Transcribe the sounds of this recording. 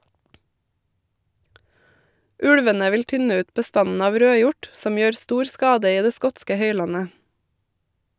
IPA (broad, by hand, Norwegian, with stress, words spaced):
ˈʉɽʋənə ˈʋɪl ˈtʏnə ˈʉːt bəˈstɑnn̩ ˈɑːʋ ˈɾøːˌjʊʈ ˈsɔm ˈjøːɾ ˈstuːɾ ˈskɑːdə ˈiː ˈdeː ˈskɔtskə ˈhœʏˌlɑnə